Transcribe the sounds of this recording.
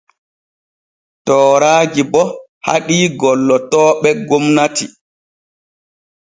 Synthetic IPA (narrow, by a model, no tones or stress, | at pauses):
tɔːɾaːd͡ʒibɔ | ha̰ɗiːɡɔlːɔtɔːɓɛɡomnatḭ